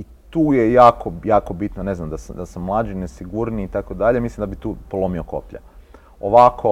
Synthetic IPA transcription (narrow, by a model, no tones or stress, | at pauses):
i | t̪uːjejaːko̞jaːko̞bit̪none̞znamd̪asd̪asamːlˠaːd͡ʒinesiɡuɾniːt̪akod̪aʎemislimd̪abit̪uːpolˠomio̞ko̞̰pʎa̰ | oʋakʰo